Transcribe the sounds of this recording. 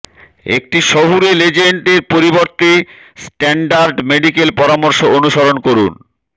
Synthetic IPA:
ḛk̚ʈiʃɔɦuɾeled͡ʑeɳʈeɾpoɾiboɾt̪i | sʈɛɳɖaɾɖmeɖikelpɔɾamoɾʃoonuʃoɾonkoɾun

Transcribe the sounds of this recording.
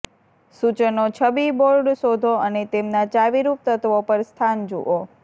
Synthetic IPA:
sut͡ʃənot͡ʃʰəbiboɾɖsod̪ʱoənet̪emnat͡ʃaʋiɾup̚t̪ət̪ʋopəɾst̪ʰand͡ʒṵʔo

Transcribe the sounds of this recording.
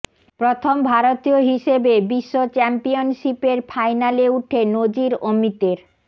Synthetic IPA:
pɾot̪ʰombʱaɾot̪ioɦiʃebebiʃːot͡ɕɛmpionʃipeɾfʰajnaleuʈʰenod͡ʑiɾomit̪eɾ

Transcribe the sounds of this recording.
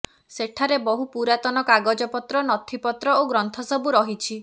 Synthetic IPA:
seʈʰaɾebɔɦupuɾat̪ɔnɔkaɡɔd͡ʒɔpɔt̪ɾɔnɔt̪ʰipɔt̪ɾɔoɡɾɔnt̪ʰɔsɔbuɾɔɦit͡ʃʰi

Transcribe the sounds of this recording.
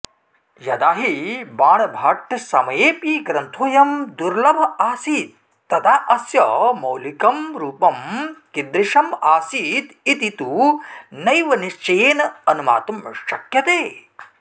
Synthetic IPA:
jɐd̪aːɦibaːɳɐbʱɐʈsɐmɐjeːpiːɡɾɐnt̪ʰuːjɐmd̪uɾlɐbʱɐaːsiːt̪̚ː | ɐt̪aːʔɐsjɐ̰mɐwlikɐmɾuːpɐmkind̪ɾiʃɐmaːsiːt̪it̪it̪unɐjʋɐniʃt͡ʃɐjeːnɐɐnuma̰ːt̪umʃɐkjɐt̪eː

